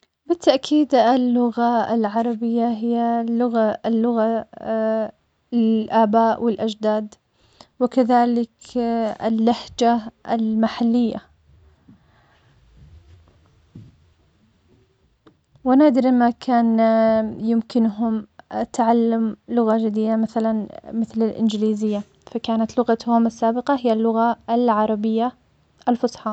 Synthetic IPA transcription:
bɪt̪ːaʔkʰiːd̪ɪlːʊɣaɪ̰lʕɑɾˤɑbɪjːaɦɪjːalʊɣalːʊɣa | ʔaːbaːʔwɪlʔad͡ʒd̪aːd̪ | wɪkaðaːlɪkɪ̰lːahd͡ʒaɪlmaħalːɪjːa̰ | wanaːd̪ɪɾmakʰaːn | jɪmkɪnɦʊmat̪ʕalːamlʊɣad͡ʒad̪iːd̪amaθalanmɪθlɪlʔɪ̰nd͡ʒliːzɪjːa | fakaːnat̪lʊɣat̪hʊmɪsːaːbɪqɑɦɪjːalːʊɣaɪlʕɑɾˤɑbɪjːa | ʔalfʊsˤħɑ

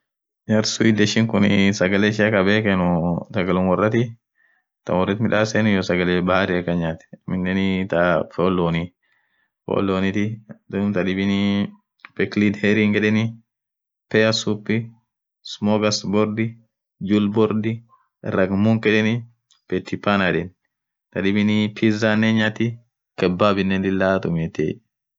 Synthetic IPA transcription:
ɲɐɾsʊid̪ɛʃɪŋkʊnɪsɐɡɐleːʃ̬ɪɐkɐbeːkɛnʊsɐɡɐlʊnwɔrːɐt̪ɪ | t̪ɐ̰nwɔrːɐt̪mɪᶑaːsenʊjɔsɐɡɐlebɐhaɾɪɐkːɐɲːaːt̪ɛ̥mɪnːɛnɪt̪ɐfoːlːoːni | fo̰ːlːoːnit̪ɪd̪ʊmt̪ɐdɪbɪni | pɛklid̪hɛɾiŋɡɛᶑɛni | pɛɐsupːɪ | smoɡɐsbɔɾd̪ɪ | d͡ʒulbɔɾd̪ɪ | ɾɐɡmuŋkɛᶑɛnɪ | pɛt̪ʰːɪpːanaᶑɛn | t̪ɐᶑɪbɪnipʰizanːɛɲːaːt̪ɪ | kɛbːaːbɪnːɛndɪlːaːt̪ʊmet̪ḛ

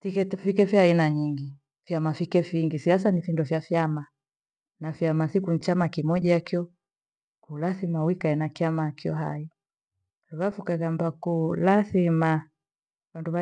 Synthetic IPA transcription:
fikɛfikɛfjainaɲiŋɡi | fjamafikɛfiŋɡisias̬anifindɔfjafjama | nafjamasikun̩t͡ʃamakimɔʄaakiɔ | kulaθimawikaɛnakiamakiɔ̰ɦa̰i | luɣafukaɣambakulaθima | wanduβa

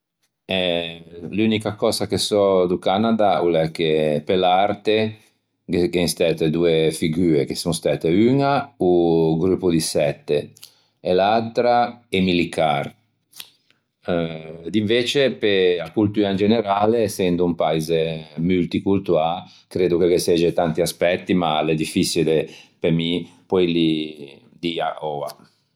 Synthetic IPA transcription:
ɛ | lynikakɔːzakesɔd̪ukanad̪aulɛkːepelaɾt̪e | ɡeŋst̪ɛt̪ed̪uefiɡyːekesuŋst̪aːt̪eynauɡɾupːud̪isɛt̪ːe | elalt̪ɾaɛmilit̪ar | d̪iɱveːt͡ʃepeakult̪yːɾaind͡ʒeneɾaːleːsːɛnd̪oumpaizemylt̪ikult̪ua | kɾeːd̪ukekesɛd͡ʒet̪ant̪iaspɛt̪ːima̰led̪ifːit͡ʃilepemipɔjli | d̪ia̰ɔa̰

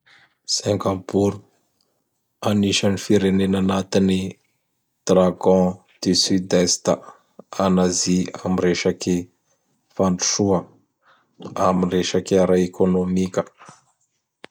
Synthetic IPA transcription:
sɛ̃ŋkapuɾu | aniʃanifiɾenenanat̪ini | d̪̥raɡɔ̃ | d̪̥ysyd̪est̪ə | anaziamireʃake | faɳʈ͡ʂu̥ʂuə | aminreʃakeaɾaekʰonomikʲə̥

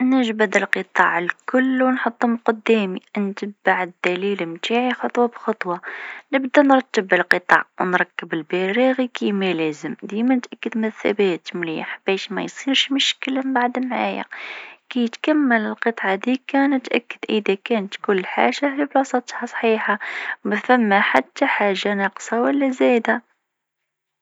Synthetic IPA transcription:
nəʒbæd̪əlqət̪ˤɑ̰ʕəlkʊlːwnħot̪ˤːʊmqʊd̪ːæmint̪əbːaʕəd̪ːælilmt̪aʕixɑt̪ˤwɑbxɑt̪ˤwɑnəbd̪ænɾˤɑt̪ːəbəlqət̪ˤɑ̰ʕwnɾˤɑkːəbəlbæɾiɣikimælæzəmd̪imænət̪ʔækːəd̪mæθæ̰bæt̪mliħb̥æʃmæ̰jsˤiɾʃmʊʃkəlmbaʕd̪əmʕaja̰kæjət̪kæmːələlqət̪ˤʕɑd̪ikænət̪ʔækːəd̪̥ʔəðækænət̪kʊlːħa̰ʒaiblwɑsˤɑt̪hɑsˤħiːħaməθæmːaħat̪ːaħaʒːanɑqsˤɑwəlːæzæd̪æ

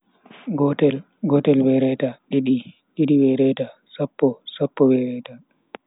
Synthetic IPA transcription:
ɡɔtɛl | ɡɔtɛlwɛɾɛtaɗiɗi | ɗiɗiwɛɾɛtasapːɔsapːɔwɛɾɛta

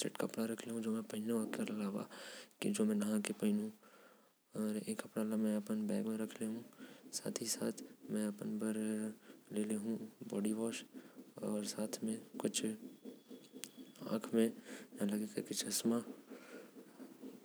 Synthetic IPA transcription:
t͡ʃɐ̰ʈkɐpɽaɾɐkʰleɦũd͡ʒoːmɛ̃pɐɦɪnekeɐlaːʋa̰kid͡ʒoːmɛ̃nɐɦãkepɐɪnɦũ | ɔːɾeːkːɐpɽalamɛ̃ɐpənbɛːɡmẽɾɐkʰleɦũsa̰ːt̪ʰisaːt̪ʰmɛ̃ɐpənbɐɾ | leːleɦũbɔːɖiʋɔːʃɔːɾsaːt̪ʰmẽkʊt͡ʃʰ | ã̰ːkʰmẽnãlɐɡekɐkɪt͡ʃʰɐsma

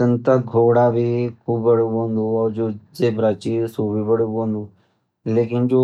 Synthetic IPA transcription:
ənt̪əɡʱoːɽabʱikʰuːbbəɽõːnd̪uɔːɾd͡ʒoːd͡ʒeːbɾaːt͡ʃisuːbʱiːbəɽɦõːnd̪uː | leːkɪnd͡ʒoː

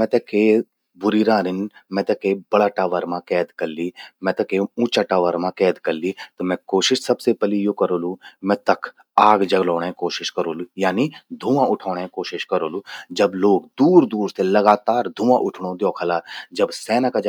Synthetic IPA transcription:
mɛ̃t̪ɛke | bʊɾiɾãːɾɪnmɛ̃t̪ɐkebɐɽaːʈaːʋəɾmãkɛːd̪kɐɾliːmɛ̃t̪ɐkeũːt͡ʃaʈaːʋəɾmãkɛːd̪kɐɾlːit̪omɛ̃koːʃɪʃsɐbsepɛlijoːkɐɾoːlumɛ̃t̪ɐkʰ | aːɡd͡ʒɐɡlɔːɽ̃ẽkoːʃɪʃkɐɾoːlujaːnid̪ʱũːãʊʈʰaːɽ̃ẽkoːʃɪʃkɐɾoːlud͡ʒɐbloːkd̪uːɾd̪uːɾselɐɡaːt̪aːɾd̪ʱũːʋãʔʊʈʰɽ̃od̪joːkʰɐlaːd͡ʒɐbsɛːnakad͡ʒ

